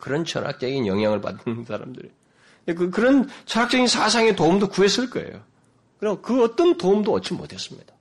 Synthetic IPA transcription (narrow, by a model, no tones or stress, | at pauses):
kɯɾʌnt͡ɕʌ̰nɦa̰k̚t͡ɕ͈ʌɡinjʌŋɦjaŋɯɭpa̰tːɯnsʰaɾa̰mdɯɾḭ | ek̬ɯkɯɾʌnt͡ɕʰʌnak̚t͡ɕ͈ʌɡinsʰas̬ʰaŋetoumdokues͈ɯɭk͈ʌḛjo̰ | kɯɾʌkɯʌt͈ʌntomdoʌt͡ɕ͈imo̰tʰe̞s͈ɯmɲid̥ḁ